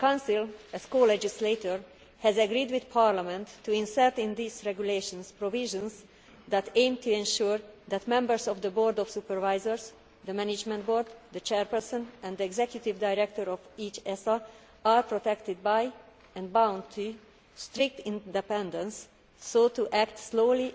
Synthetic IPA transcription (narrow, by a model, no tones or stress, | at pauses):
kãwnsilɛskoːlɛd͡ʒislet̪oɹ | hɛzɛɡɾiːd̪wid̪pʰaɹlamɛ̃nt̪ʰːuĩnsɛɹt̪ɪ̃nd̪isɹɛɡjuleʃɔ̃nspɾoviʒə̃ns | d̪æt̪ẽɪ̃mt̪ʰuɛ̃nʃuːɹd̪æt̪mɛ̃mbəɹsɔvd̪əboːɾd̪ɔfsupɛɹvajzəɹs | d̪əmænɪd͡ʒmɛ̃nt̪boɹd̪d̪ət͡ʃɛɹpɛɹsə̃nɛ̃nd̪əɛɡzɛkjut̪ivd̪ajɾɛk̚t̪ɔɾɔviːt͡ʃɛsa | aɹpɹot̪ɛkt̪ɪd̪̚baj | ɛ̃nd̪bãw̃nt̪ʰːu | st̪ɾɪk̚t̪ɪ̃nd̪ɛpɛ̃nd̪ə̃nsː | oːt̪uʔækt̪sloːli